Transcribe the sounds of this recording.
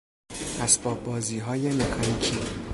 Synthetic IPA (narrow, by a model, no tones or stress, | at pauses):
ʔæsbɒːbbɒːziːɦɒːje̞mekʰɒnicʰiː